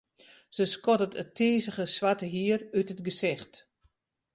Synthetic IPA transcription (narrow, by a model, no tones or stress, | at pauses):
səskɔdətətʰeːzəɣəsʋatəɦiərytətɡəsɪxt